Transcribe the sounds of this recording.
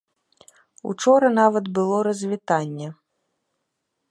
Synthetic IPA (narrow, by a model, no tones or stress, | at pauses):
ṵt͡ʂɔɾɐnavɐd̪bɨlˠɔɾɐzʲvʲit̪anʲːɛ